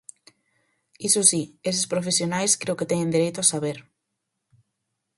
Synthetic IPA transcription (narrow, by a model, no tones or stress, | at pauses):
isosies̬espɾofesjonajskɾeʊket̪ɛɲẽnd̪iɾejt̪ʊasaβeɾ